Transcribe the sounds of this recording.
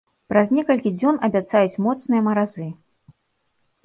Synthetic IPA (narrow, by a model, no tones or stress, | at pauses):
pɾaznʲɛkɐlʲkʲid͡zʲɔnɐbʲat̪sajut͡sʲmɔt̪snɨjɐmɐɾazɨ